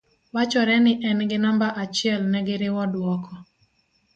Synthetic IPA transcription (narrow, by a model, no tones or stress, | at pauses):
wat͡ʃɔɾɛnɪʔɛnɡɪnambaʔat͡ʃɪɛlnɛɡɪɾɪwɔdwɔkʰɔ